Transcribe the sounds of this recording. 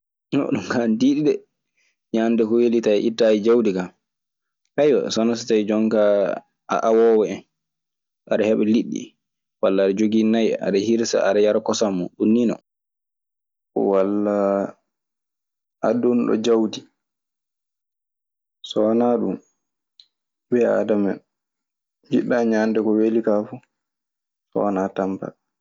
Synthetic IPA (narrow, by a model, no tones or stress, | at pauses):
nɔ̰ɗumkandiːɗiɗɛ | ɲandɛhuwelitaʔitːajid͡ʒawdika | ʔajwa̰sɔnas̬atajd͡ʒɔŋka | a̰ʔawɔwɛɛn | ʔaɾɛhɛɓɛliɗːḭ | walːaːɾad͡ʒoɡinaj̰a̰ɗahiɾsa̰aɾajaɾkɔsamːɔɗunːinɔ̰ | walːa | adunɗɔ̰d͡ʒawdi | sɔnaɗṵm | bɛa̰damɛn | d͡ʒiɗːaɲandɛkɔwelikafu | sɔ̰natampa̰